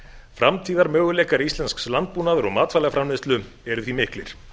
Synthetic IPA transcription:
fɾamt̪ʰiːðaɾmœːɣʏlɛːkaɾist̪lɛnskslant̪̚puːnaðʏɾɔɣmaːt̪faːlɛɣafɾamɪst̪lʏ | ɛɾʏθimɪhklɪ̰ɾ̥

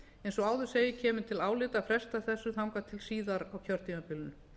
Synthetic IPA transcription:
ejnsɔaːwðʏ̥seːjɪcʰɛːmʏ̥t̪ʰɪlaːwlɪːt̪afɾɛst̪aθɛsːʏθawŋkat̪ʰɪlsiːðaɾawcʰœɾt̪ʰimapɪlnʏ

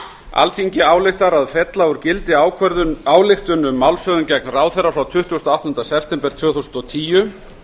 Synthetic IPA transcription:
a̰lfiɲcɪaːwlɪht̪aɾaðfɛt̪laʏɾcɪlt̪ɪaːwkʰœɾðaːwlɪxt̪ʏnʏmːawlsœðʏncɛknraːwθɛjrːafɾawt̪ʰʏht̪usnawht̪ʏnd̪asɛpʰt̪ɛmpɛɾt̪vʏːθuwsʏnt̪ɔt̪ʰiːjʏ

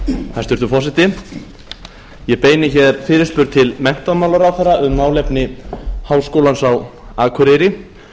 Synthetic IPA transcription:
θast̪ʏɾt̪ʏfɔsɪht̪ɪ | jɛpeːjnɪçɛɾfɪːɾɪ̥spʏɾt̪̚t̪ʰɪlmɛn̥t̪amawlaɾawθɛrːaʔʏmnaːwlɛjpnɪhaːwskoːwlansawaːkʰʏɾejɾɪ

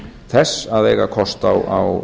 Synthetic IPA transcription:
θɛsaðejɣakʰɔst̪awa̰w

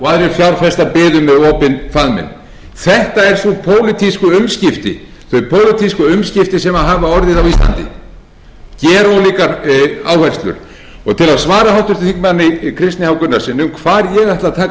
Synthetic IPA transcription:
ɔaðɾɛɾfjawɾ̥fɛst̪apɪːðʏmːɛðɔːpɪnfaðmɪ̰n | θɛht̪aɛɾ̥supʰoːwlɪt̪ʰiskʏʏmscɪft̪ɪ̰ | θœpʰoːwlɪt̪ʰiskʏʏmscɪft̪ɪsɛmaðɦaːvaɔɾðɪðawiːst̪la̰nt̪ɪ̰ | cɛːɾawliːkaɾaːwhar̥st̪lʏ̰ɾ̥ | ɔɣt̪ʰɪlaðsvaːɾahawht̪ʏɾ̥t̪θiŋkmanːɪkʰɾɪst̪nɪhawkʏnːaɾ̥sɪnʏmkʰvaːɾjɛɣaht̪laðt̪ʰaː

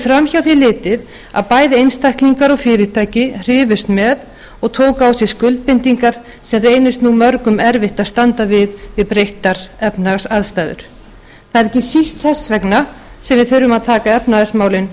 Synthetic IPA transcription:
fɾamçawθilɪːt̪ɪð | a̰ðpaːjðɪejnst̪ʰajhkliŋkaɾɔɣfɪːɾɪt̪ʰaːjcɪr̥ɪːvʏst̪mɛð | ɔɣt̪ʰoːwkawsjɛ̥skʏlt̪̚pɪnt̪iŋkaɾ̥ | sɛmreːjnʏst̪numœɾkʏmɛɾvɪht̪aðst̪ant̪avɪðvɪðpɾejht̪aɾ̥ɛpnaɣsaðst̪ajðʏ̰ɾ̥ | θaðɛɾɛcːɪsist̪θɛsvɛkna | sɛmvɪðθʏɾːʏmaðt̪ʰaːkaɛpnaɣasmaːwlɪn

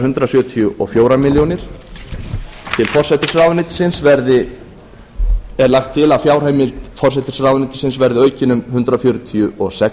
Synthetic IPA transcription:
ʏnt̪ɾasjʏːt̪ʰiʏʔɔ̰fjoːwɾamɪljownɪɾ̥ | t̪ʰɪlfɔr̥sɛt̪ɪsrawnɪt̪ɪ̥sɪnsvɛɾðɪ | ɛɾlaxt̪ʰːɪlafjaːwɾ̥eːjmɪlt̪fɔr̥s̬ɛt̪ɪ̥sraːwðnɪt̪ɪ̥sɪnsvɛɾðɪœːɥcɪnʏmɦʏnt̪ɾafjoɥɾʏt̪ʰiʏɔsɛ

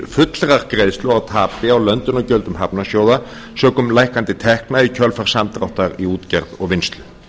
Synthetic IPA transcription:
fʏt̪lɾaʁɡɾeːjslɔawt̪ʰaːpɪaɔwlœnt̪ʏnɔcœlt̪ʏmhɦapnasjoːwða | søːkʏmlajhkant̪ɪt̪ʰɛhknaicʰœlfaʁ̥samt̪ʁawht̪aɾiuːt̪cɛɾðɔ̰ɣʋɪnst̪lʏ

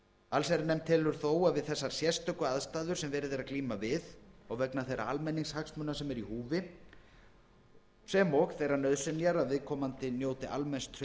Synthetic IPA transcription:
alsajɾnɛmt̪ʰːɪlʏɾ̥θoːwavɪðθɛsːaɾ̥sjɛst̪œkʏaðst̪aːðʏɾ̥sɛmvɛːɾɪðeɾaðkliːmavɪðɔɣvɛknaθejɾa̰almɛnːiŋshaksmʏnasɛmɛɾihuːvɪ | sɛmɔxθejɾanœðsɛnjaɾaðvɪðkʰɔːmant̪ɪnjoːwt̪ɪʔa̰lmɛnst̪ʰ

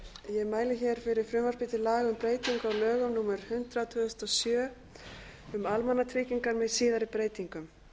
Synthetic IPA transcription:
jɛɣmaːjlɪçɛɾ̥fɪɾɪɾ̥fɾʏːmaspɪːt̪ɪlaːɣʏmpɾeːjt̪iŋkawlœːɣʏmnuːmɛɾ̥hʏnt̪ɾat̪ʰvœːðʏst̪ɔsjœː | ʏmalmanːat̪ʰvɪːciŋkaɾmɛðsiːðaɾɪpɾeːjt̪iŋkʏm

